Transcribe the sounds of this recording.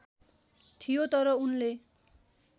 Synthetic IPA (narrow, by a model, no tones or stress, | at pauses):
t̪ʰijot̪ʌɾʌunle